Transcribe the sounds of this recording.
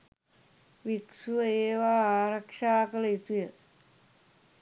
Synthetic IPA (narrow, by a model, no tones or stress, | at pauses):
ʋiksuʋəeːʋaːaːɾɐkʂaːkəlɐit̪ujə